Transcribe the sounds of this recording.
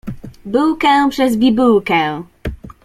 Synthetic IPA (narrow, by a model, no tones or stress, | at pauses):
buwkɛ̃pʂɛzbʲibuwkɛ̃